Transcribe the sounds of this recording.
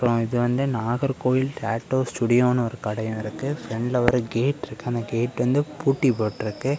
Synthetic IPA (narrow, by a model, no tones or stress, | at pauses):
ɾõɪðɯʋɐnd̪ɯnaːɣɐɾkoːjɪlʈaːʈːoːsʈuːɽɪjoːnɐɔɾɯkɐɽɐjɐ̃ɪɾɯkːɯfɾɛɳɖlɐʋɐɾɯɡeːʈːɪɾɯkːɯɐnd̪ɐɡeːʈʋɐnd̪ɯpuːʈːipoːʈːɪɾɯkːɯ